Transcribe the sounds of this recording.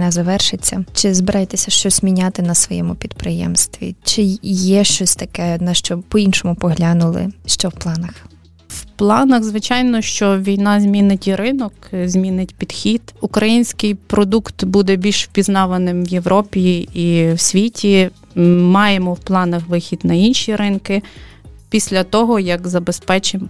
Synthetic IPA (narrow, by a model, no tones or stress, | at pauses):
nɛzɐʋɛrʃɪt͡sʲːɐt͡ʃɪzbɪɾʔɑjet̪ɛsʲɐʃt͡ʃɔsz̥ʲmʲinʲat̪ɪnɐsʋɔjɛ̰mʊpʲid̪pɾɪjɛ̰mst̪ʋʲḭt͡ʃɪjɛʃt͡ʃɔsʲt̪ɐkɛnɐʃt͡ʃɔpɔinʃɔmʊpɔɦlʲanʊlˠɪ̰ʃt͡ʃɔwplˠɑnɐx | wplˠɑnɐxzʋɪt͡ʃɑjnɔʃt͡ʃɔʋʲijnɑzʲmʲinɪtʲɾɪnɔkzʲmʲinɪtʲpʲid̪̥xʲid̪̥ukɾɐjinʲsʲkɪjpɾɔd̪ukt̪bud̪ɛbʲilʲʃpʲiznɑʋɐnɪmwjeʋɾɔpʲiiwsʲʋʲitʲi | mɑjemɔwplˠɑnɐxʋɪxʲid̪nɐinʃiɾɪnkɪpʲisʲlʲɐt̪ɔɦɔjɐkzɐbespɛt͡ʃɪm